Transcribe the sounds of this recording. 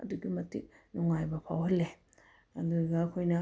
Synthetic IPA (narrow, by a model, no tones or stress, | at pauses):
ɐ̰duɡimɐtḭk̚nuŋajbɐpʰawɦɐlːe | ɐduɡɐɐkʰojnɐ